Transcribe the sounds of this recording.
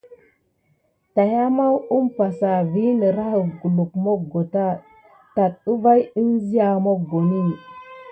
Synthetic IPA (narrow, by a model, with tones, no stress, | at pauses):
ta˨ja˦ma˦wu˦mpa˨sa˨vi˦nə˨ɾa˦hə˨ɡu˨lu˨kmo˦ɡo˨ta˦ | ta˨tu˦va˦ji˦nzi˦ja˨mo˦˨ɡo˨ni˦˨